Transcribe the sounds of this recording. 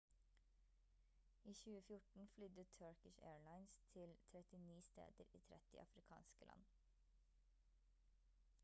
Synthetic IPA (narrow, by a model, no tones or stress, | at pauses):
iːçʉːəfjʊʈɳ̩flʏd̪ət̪ʰœɹkɪʃḛːɹɭɑɪnst̪ʰɪlt̪ʰɾɛt̪ɪniːst̪ḛːd̪əɾḭːt̪ʰɾɛt̪ɪ̰ʔɑfɾɪkʰɑ̰ːnskəlɑ̰n